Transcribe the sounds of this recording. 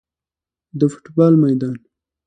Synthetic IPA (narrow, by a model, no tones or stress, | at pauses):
d̪əfʊ̥ʈbɑlmajd̪ɑn